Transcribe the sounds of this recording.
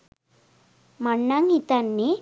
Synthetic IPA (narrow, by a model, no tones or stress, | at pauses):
mɐɳːaŋit̪anːe